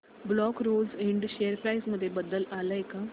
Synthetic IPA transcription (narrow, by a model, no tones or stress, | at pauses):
blɔkɾod͡ziɳɖɕejəɾpɾajsməd̪ʱːjebəd̪ːəlalaeka